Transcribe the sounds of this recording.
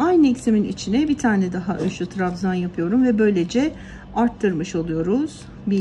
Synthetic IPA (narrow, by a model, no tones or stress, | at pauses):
ajnɯɛcsiminḭt͡ʃʰinɛbit̪ʰaːnɛd̪aɦaʔønʃyt̪ʰɾafzanjapʰɯjo̞ɾumvɛbø̞jlʲe̞d͡ʒɛ | aɾt̪ʰːɯɾmɯʃo̞lˠujo̞ɾuz̥ | bi